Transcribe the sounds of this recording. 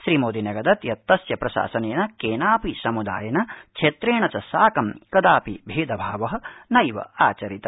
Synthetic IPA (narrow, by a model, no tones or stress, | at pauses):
ʃɾiːmoːd̪inɐɡɐd̪ɐt̪jɐt̪ːɐsjɐpɾɐʃa̰ːsɐneːnɐkeːnaːpisɐmud̪a̰ːjɐnɐt͡ʃʰeːt̪ɾeːɳɐt͡ʃɐsaːkɐmkɐd̪aːpibʱiːd̪ɐbʱaːʋɐɦɐ̆nɐjʋɐ̰aːt͡ʃɐɾit̪ɐ